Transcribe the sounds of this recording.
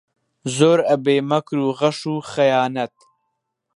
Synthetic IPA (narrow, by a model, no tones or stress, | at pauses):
zoːɾɐbeːmɐkɾuːɣɐʃuːχɐjaːnɐt̪̚